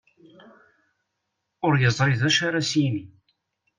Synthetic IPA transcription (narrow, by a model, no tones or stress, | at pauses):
ʊɾjəzˤɾɪðæʃaɾasimi